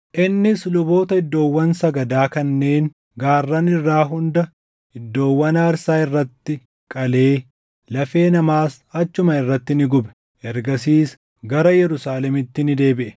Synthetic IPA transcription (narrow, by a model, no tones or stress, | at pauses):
ʔɪnːɪslʊbo̞ːt̪ɐɪd̪ːo̞ːwːɐnsɐɡɐd̪aːkɐnːe̞ːŋ | ɡaːrːɐnɪrːaːɦʊnd̪ɐ | ɪd̪ːo̞ːwːɐnaːɾsaːɪrːɐt̪ːɪ | kʼɐle̞ː | lɐfe̞ːnɐmaːs | ɐt͡ʃːʊmɐɪrːɐt̪ːɪnɪɡʊbɛ̥ | ʔɛɾɡɐsiːs | ɡɐɾɐjɛɾʊsaːlɛmɪt̪ːɪnɪd̪e̞ːbɪʔɛ̥